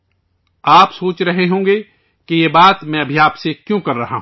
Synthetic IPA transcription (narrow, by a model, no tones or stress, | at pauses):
aːpsoːt͡ʃɾɐɦeɦõːɡe | kijeːbaːt̪mɛ̃ɐbʱiaːpsekjõkɐɾːɐɦa̰ɦ